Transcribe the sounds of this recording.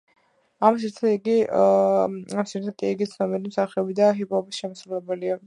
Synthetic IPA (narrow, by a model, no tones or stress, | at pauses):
ams̬iɾt̪ʰaiɡi | amsiɾt̪ʰat̪ʼiiɡit̪sʰnɔmɛɾimsaχɛɔbid̪aɦipʰʼɔbisʃɛmasɾulɛbɛlia